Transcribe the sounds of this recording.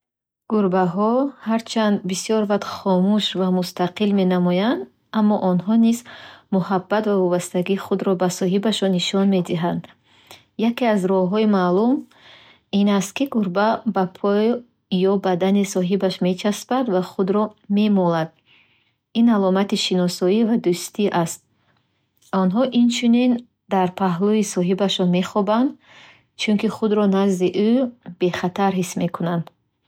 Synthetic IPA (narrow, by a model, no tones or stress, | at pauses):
ɡ̥uɾbaɦɔhaɾt͡ʃʰand̪bisijɔɾvat̪χɔmuʃvamust̪aqilme̞namɔjand̪ | amːɔʔɔnɦɔnizmuhabːat̪vavɔbast̪aɡiːχud̪ɾɔbasɔɦibaʃɔniʃɔnme̞d̪iɦand̪ | jakeazɾɔhɦɔimaːlum | inast̪̚kiɡuɾbabapʰɔjː | ɔbad̪anisɔɦibaʃme̞t͡ʃʰaspad̪vaχud̪ɾɔme̞mɔlad̪̥̚ | inalɔmat̪iʃinɔsɔivad̪ust̪iʔast̪̚ | ɔnɦɔʔint͡ʃʰunin | d̪aɾpʰaɦluisɔɦibaʃɔnme̞χɔband̪ | t͡ʃʰunkiχud̪ɾɔnazd̪iʔub̥e̞χat̪ʰaɾɦisme̞kʰunand̪̥